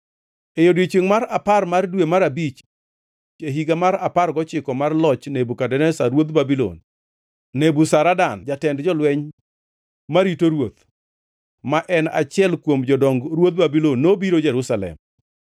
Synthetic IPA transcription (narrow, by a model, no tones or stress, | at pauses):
ejodwet͡ʃeŋmaɾaparmardwemaɾabit͡ʃ | d͡ʒeɦiɡamaɾaparɡɔt͡ʃɪkɔmarlɔt͡ʃnebukadɛnɛsaɾwot̪babilo̰nː | ebusaɾadand͡ʒatɛndd͡ʒɔlwɛɲ | maɾitoɾwot̪ | maʔɛnat͡ʃɪɛlkwomd͡ʒɔdɔŋɡɾwot̪̚babilonːobiɾod͡ʒɛɾusalɛ̰m